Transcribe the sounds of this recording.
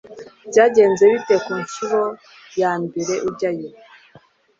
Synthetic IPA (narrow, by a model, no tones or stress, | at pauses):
v̥ɟaːɟe̞ːnzeβitekuːɲʃuɾo̞ | jaːmbiɾe̞ʔubɟajo